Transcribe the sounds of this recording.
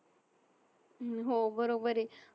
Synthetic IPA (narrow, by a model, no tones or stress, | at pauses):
ɦobəɾobəɾi